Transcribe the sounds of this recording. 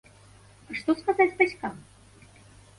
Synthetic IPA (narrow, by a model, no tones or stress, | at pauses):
aʂt̪ɔskazad͡zʲbat͡sʲkam